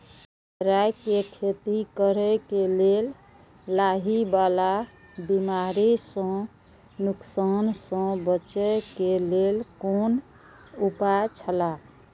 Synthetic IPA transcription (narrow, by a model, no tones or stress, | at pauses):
ɾajkekʰet̪ikəɾɛkelel | laɦibala | bimaɾisə̃ | nuksansə̃bət͡ʃɛkelelkon | upat͡ʃʰəla